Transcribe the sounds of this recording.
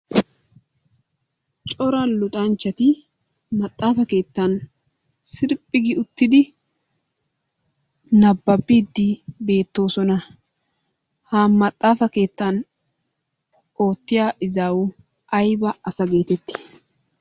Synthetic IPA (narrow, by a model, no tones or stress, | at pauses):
t͡ʃʼɔɾɐlʊt̪ʼɐnt͡ʃːɐt̪ɪ | mɐt̪ʼːaːfɐke̞ːt̪ːɐn | sɪɾpʼːɪɡɪʊt̪ːɪd̪ɪ | nɐbːɐbːiːd̪ːɪbe̞ːt̪ːo̞ːsɔnɐ | haːmɐt̪ʼːaːfɐke̞ːt̪ːan | oːt̪ːɪjaːʔɪzaːwʊ | ʔɐjbɐɐsɐɡe̞ːt̪ɛt̪ːɪ̥